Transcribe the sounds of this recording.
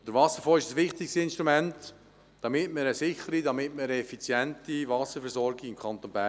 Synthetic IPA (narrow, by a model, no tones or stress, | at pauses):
d̥əɾvɑsəɾfɔːɪʃdəsʋɪχt̪ɪkstɪnʃtɾumɛnt | d̥ɑmɪtməɾəsɪχəɾidɑmɪtməɾəɛfit͡sjɛntivɑsəɾfɛɾsɔɾɡɪɪmkʰɑnt̪onbæ